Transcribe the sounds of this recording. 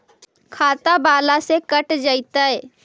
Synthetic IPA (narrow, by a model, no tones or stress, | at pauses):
kʰaːt̪abaːlasekəʈd͡ʒəɪt̪əj